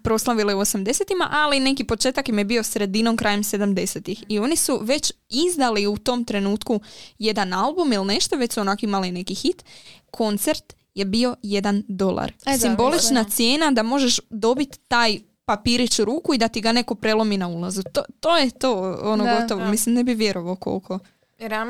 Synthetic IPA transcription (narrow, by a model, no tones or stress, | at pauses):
pɾo̞slˠaʋileuosamd̪e̞set̪ima̰ʔaline̞kipo̞t͡ʃe̞ːt̪akimjebio̞sɾe̞d̪ino̞mkɾʔaːje̞mse̞d̪amd̪e̞se̞t̪ixio̞nisuʋe̞t͡ɕizd̪aliut̪o̞mt̪ɾe̞nuːt̪kuje̞d̪analˠbumilne̞ʃt̪o̞ʋet͡ɕsuonakoimaline̞kixit̪kʰo̞nt̪se̞ɾt̪ | je̞bio̞je̞d̪and̪o̞lˠa̰ɾsimbo̞lit͡ʃnat̪sje̞ːnad̪amo̞ʒeʃd̪o̞bit̪ːaːj | papiːɾit͡ʃuɾuːkuid̪at̪iɡane̞ko̞pɾe̞lˠo̞minaulˠazut̪ot̪o̞ːjet̪o̞ːonoɡo̞t̪o̞ʋomislimnebiʋje̞ɾo̞ʋaoko̞̰lˠkʰo̞ | ɾ